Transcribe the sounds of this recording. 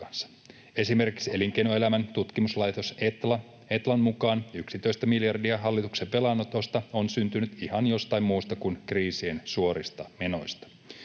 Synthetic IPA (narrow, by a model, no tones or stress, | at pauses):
ɑnsːɑ̥ | e̞sime̞rkiksie̞liŋkejnoe̞læmænt̪ut̪kimuslɑjt̪oset̪lɑ | et̪lɑnmukɑːnyksit̪o̞ist̪æmiljɑrdiɑɦɑlːit̪ukse̞pe̞lɑnːot̪o̞st̪ɑo̞nsynt̪ynyt̪ihɑnjo̞st̪ɑimmuːst̪ɑkunkriːsie̞nsuo̞ɾist̪ɑme̞no̞jst̪ɑ̥